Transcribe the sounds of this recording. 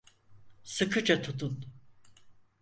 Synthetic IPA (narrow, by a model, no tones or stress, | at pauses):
sɯkʰɯt͡ʃat̪ʰut̪ʰun